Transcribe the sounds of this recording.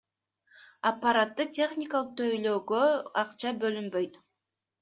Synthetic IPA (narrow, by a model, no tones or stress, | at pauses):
apːaɾat̪ːɯtʲe̞χnʲɪkalˠɯq̚t̪ʰøjløːɡøɑqt͡ʃɑbølymbøjt̪